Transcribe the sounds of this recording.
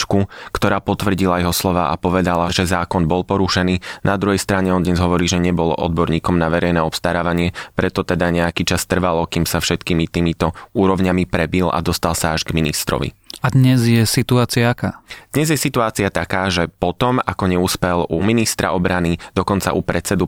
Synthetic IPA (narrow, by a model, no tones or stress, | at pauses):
t͡ʃkukt̪ɔɾaːpɔt̪ʋr̩ɟilajɛɦɔslɔʋa̰ːʔa̰pɔʋɛd̪alaʒɛzaːkɔnbɔlpɔɾuʃɛniːnad̪ɾuɦɛjst̪ɾaɲɛɔnd̪ɲɛzɦɔʋɔɾiːʒɛɲɛbɔlɔ̰ʔɔ̰d̪̚bɔɾɲiːkɔmnaʋɛɾɛjnɛːɔpst̪aɾaːʋaɲɪɛpɾɛt̪ɔt̪ɛd̪aɲɛakiːt͡ʃast̪r̩ʋalɔkiːmsafʃɛt̪kiːmit̪iːmit̪ɔuːɾɔʊɲamipɾɛbila̰d̪ɔst̪alˠsaaʒɡminist̪ɾɔ̰ʋḭad̪ɲɛzjɛsit̪uaːt͡siaaka̰ːd̪̥ɲɛzjɛsit̪uaːt͡siat̪akaːʒɛpɔt̪ɔmakɔɲɛuspɛluminist̪ɾa̰ʔɔbɾanid̪̥ɔkɔnt͡sa̰ʔupɾɛt͡sɛd̪u